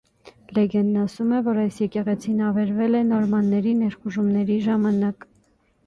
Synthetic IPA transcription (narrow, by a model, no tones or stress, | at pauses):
lɛɡɛnːɑsumɛvɔɾɑjsjɛkɛʁɛt͡sʰinɑvɛɾvɛlɛnɔɾmɑnːɛɾinɛɾχuʒumnɛɾiʒɑmɑnɑk